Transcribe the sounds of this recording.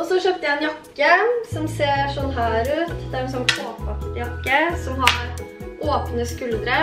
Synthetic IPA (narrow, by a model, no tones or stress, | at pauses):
ɔsɔʃøːpt̪əjæɛnjɑkːəsɔmseːɾʂɔnːɦæːɾʉːt̪d̪æɾɛnsɔnːkʰoːpɑkt̪jɑkːəsɔmɦɑɾʔoːpnəskʉld̪ɾə